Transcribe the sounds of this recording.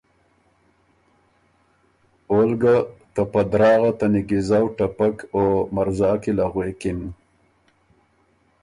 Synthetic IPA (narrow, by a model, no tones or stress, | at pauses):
olɡat̪apad̪ɾɑːɣat̪anɪɡɪzawʈapakomaɾzɑkilaɣwekɪm